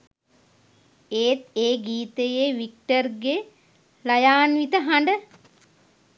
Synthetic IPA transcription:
eːt̪eːɡiːt̪əjeʋik̚ʈərɡe | lajaːnʋit̪əɦaɳɖə

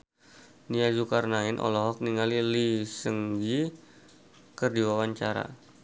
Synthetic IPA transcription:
niazukarnaɪnʔɔ̰lɔɦɔk̚niŋalilisəŋɡi | kərdiwawaɲt͡ʃaɾa̰

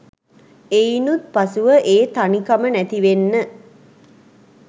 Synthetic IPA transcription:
einut̪̚pasuʋəʔeːt̪anikamənæt̪iʋenːə

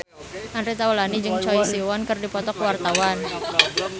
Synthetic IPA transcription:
ʔanɾit̪awəlanid͡ʒɨŋt͡ʃɔisiwɔnkərdipɔt̪ɔkwart̪awan

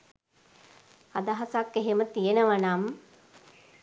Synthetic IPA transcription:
ad̪aɦasakːeɦemət̪ijenəʋanam

